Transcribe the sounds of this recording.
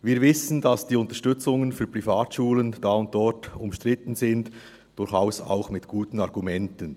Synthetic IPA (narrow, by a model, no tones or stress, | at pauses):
viːɐvɪsən̩dɑsd̥iːʊntə̥ʃtʏt͡sʊŋənfyːɐpʁifaːtʃuːlənd̥aːʊnt̚d̥ɔɾtʊmʃtʁ̥ɪtən̩zɪnd | d̥ʊɾxaʊsa̰ʊxmɪtɡ̥uːtən̩ɑʁɡumɛntən